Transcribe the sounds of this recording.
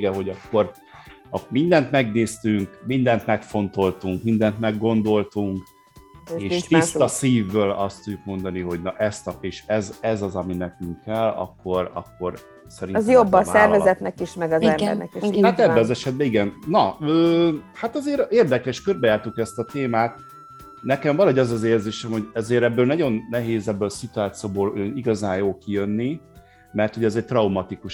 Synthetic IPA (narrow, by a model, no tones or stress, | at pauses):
ɡɛɦo̞ɟɒkːo̞r | ɒmind̪ɛnt̪mɛɡneːst̪yŋkmind̪ɛnt̪mɛkfo̞nt̪o̞lt̪uŋkmind̪ɛnt̪mɛɡːo̞nd̪o̞lt̪uŋk | eːʃt̪ist̪ɒsiːvːøːlɒst̪udːuk̚mo̞nd̪ɒniɦo̞ɟnɒʔɛst̪ɒeːʃɛzɛzɒzɒminɛkyŋkɛlɒ̰kːo̞ɾɒ̰kːo̞r | sɛɾinzjobːɒsɛrvɛzɛt̪nɛkiʃmɛɡɒzɛmɛ̰ɾnɛ̰kiʃhat̪ɛbːɛɒzɛʃɛd̪̚bɛiɡɛnnɒøːhaːt̪ɒzeːɾeːrd̪ɛkɛʃkørbɛjaːrt̪ukɛst̪ɒt̪eːmaːt̪̚ | nɛkɛmvɒlɒɦoɟɒzɒzeːrzeːʃɛmho̞ɟɛzeːɾɛbːøːlnɒɟo̞nːɛɦeːzɛbːølsit̪uaːt̪sijoːboːløniɡɒzaːnjoːlkijønːi | mɛrt̪ho̞ɟɛzɛc̚t̪rɒumɒt̪ikuʃ